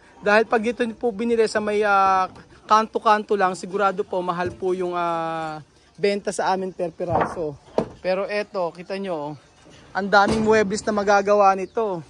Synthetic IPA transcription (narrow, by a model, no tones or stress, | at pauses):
d̪aːhɪlpɐɡ̚nɪt̪oɲpʊbɪnɪlɛsɐmɐjaːkaːnt̪okaːnt̪olɐŋsɪɡʊɾaːd̪o̞po̞mɐɦalpʊjʊŋaː | bɛnt̪ɐsɐʔaːmɪŋpɛɾpɛɾaːso̞pɛːɾo̞ʔɛt̪o̞kit̪ɐɲo̞ | ʔɐnd̪aːmɪŋmwɛblɛsnɐmɐɡaːɡɐwaʔnɪt̪o̞